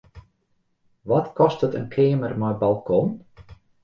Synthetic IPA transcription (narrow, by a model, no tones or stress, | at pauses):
ʋɔtkɔstətənkʰeːəmərmɔjbalˠkʰɔn